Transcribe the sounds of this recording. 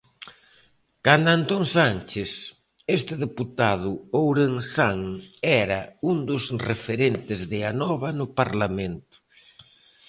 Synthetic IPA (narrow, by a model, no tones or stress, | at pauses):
kand̪ant̪oŋsant͡ʃes | est̪ɪðeput̪að̞ʊowɾeŋsaŋɛɾɐund̪ʊsrefeɾent̪ɪzðɪanɔβɐnʊpaɾlamẽnt̪ʊ̥